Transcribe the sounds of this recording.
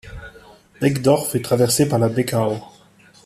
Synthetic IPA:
d̥ɛkd̪ɔʁfɛt̪χavɛʁsepaʁlad̪ɛkao

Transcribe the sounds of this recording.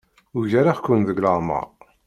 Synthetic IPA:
ʊʝaɾaχkʷːʊnðəɡləʁˤmə̰ʁˤ

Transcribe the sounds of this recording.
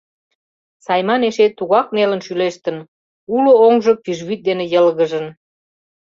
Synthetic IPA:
sɑjmɑneʃet̪ːuɣɑk̚melənʃyleʃt̪ə̆n | ulooŋʒəpiʒβyt̪̚d̪enejəlɣəʒə̆n

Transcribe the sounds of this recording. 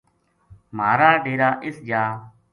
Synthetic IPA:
maːɾaːɖeːɾaːʔɪsd͡ʒaː

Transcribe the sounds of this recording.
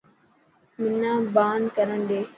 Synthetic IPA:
mɪnːãːbaːnkəɾəɳd̪eː

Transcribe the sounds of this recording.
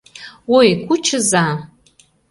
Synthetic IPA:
wojkʷʰut͡ʃʰɨza

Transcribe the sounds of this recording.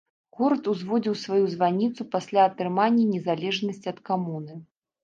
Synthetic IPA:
ɣɔɾɐt̪uzvɔd͡zʲiwsvajuzvanʲit̪supasʲlʲaɐt̪ɾɨmanʲːɐnʲɛzalʲɛʐnɐsʲt͡sʲiɐt̪kamunɨ

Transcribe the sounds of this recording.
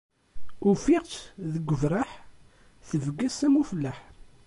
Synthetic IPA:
ʊfiʁtðəɡʷəvɾˤaħ | θəvəɡːæsæmufəlːæħ

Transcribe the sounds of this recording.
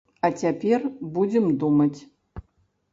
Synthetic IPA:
at͡sʲapʲerbud͡zʲemd̪umɐt͡sʲ

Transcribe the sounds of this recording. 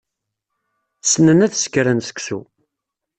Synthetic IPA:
sənənæθskɾənsə̥ksṵ

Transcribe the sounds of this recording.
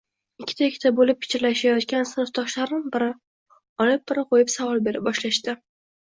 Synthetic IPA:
ɪkʲʰːɪ̥t̪ʰaɪkʲʰːɪ̥t̪ʰabolɪp̚pʰɪ̥t͡ʃʰɪɾlaʃajɒt̪kʲansɪnɨft̪ʰɒʃlaɾnɪnbɪɾɪ | ɒlɪp̚bɪɾɪqʰojɪpsavɒlˠbeɾɪp̚bɒʃlaʃt̪ɪ

